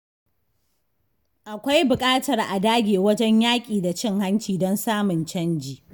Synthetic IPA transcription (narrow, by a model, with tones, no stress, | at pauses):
ʔa˨kʷa˦jbʊ˨kʼaː˦tɐ˨rʔa˨daː˦ɡʲeː˨wɐ˦d͡ʒɛ˦ɲjaː˦kʲʼiː˨da˨t͡ʃɪ˦ŋha˦nt͡ʃiː˨dɔ˦nsaː˦mʊ˨nt͡ʃɐ˦nd͡ʒiː˨